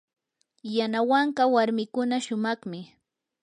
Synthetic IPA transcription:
janawaɴɢɑwaɾmɪkʊnaʃʊmɑχmɪ

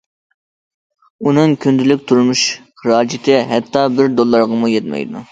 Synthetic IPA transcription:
unɨŋkʲʰynd̪ɪlɪk̚ʲt̪ʰuɾmuʃχɨɾɑːd͡ʒɪt̪ʰɪɦɛt̪ʰːɑbɪɾd̪olˠːɑɾʁɑmujɛt̪mɛ̰jd̪u

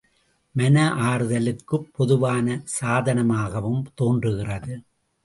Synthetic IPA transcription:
mɐnɐʔaːɾɯðɐlɯkːɯpːɔðɯʋaːnɐsaːðɐnɐmaːɣɐʋɯmt̪oːndrɯɣɪrɐðɯ

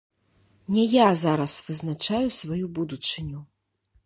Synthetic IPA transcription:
nʲɛjazaɾɐsvɨznat͡ʂajusvajubud̪ut͡ʂɨnʲu

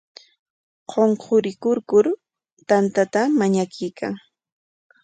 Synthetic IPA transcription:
qʰoɴqʰoɾɪkʊɾkʊɾ | t̪ant̪at̪amaɲakɪjkʰa̰ŋ

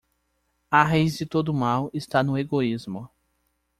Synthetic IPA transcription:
aɦejzd͡ʒɪt̪od̪ʊmawɪst̪anʊeɡoizmʊ

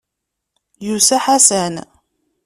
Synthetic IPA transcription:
jusæħasæn

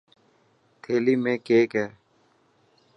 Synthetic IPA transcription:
t̪ʰeːliːmẽːkeːkɦɛː

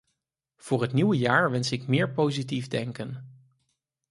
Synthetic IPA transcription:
v̥ʊːɹɦətniwəjaːɹʋɛnsɪkmɪːɹpowzitivdɛŋkən

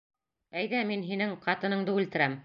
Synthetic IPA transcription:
æjðæminɦinɘŋqɑt̪ɤ̆nɤ̆ɴd̪ɤʉlt̪ɘ̆ɾæm

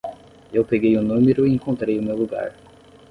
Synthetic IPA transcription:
ewpeɡejʊnũmeɾʊiẽkõnt̪ɾejʊmewluɡa̰ɾ

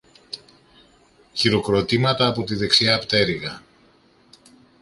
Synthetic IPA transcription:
çiɾo̞kɾo̞t̪imɐt̪ɐːpo̞t̪iðe̞ksiɐːpt̪e̞ɾiɣɐ

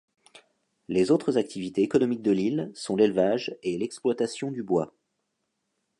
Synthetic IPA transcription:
lezot̪χəzak̚t̪ʰivit̪eːkɔnɔmik̚d̪əlilsɔ̃lelvaʒelɛksplwat̪asjɔ̃d̪ybwa

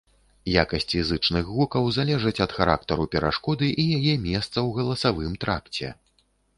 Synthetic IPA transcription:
jakɐsʲt͡sʲfizɨt͡ʂnɨxɣukɐwzalʲɛʐɨt͡sʲɐt̪xaɾa̰k̚t̪ɐɾupʲɛɾa̰ʂkɔd̪ɨʔijajɛmʲɛst̪sɐwɣɐlˠɐsavɨmt̪ɾa̰kt͡sʲɛ̰

